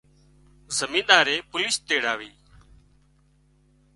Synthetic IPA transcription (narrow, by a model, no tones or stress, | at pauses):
zəmĩːɗ̪aːɾeːpʊlɪst̪eːɽaːʋiː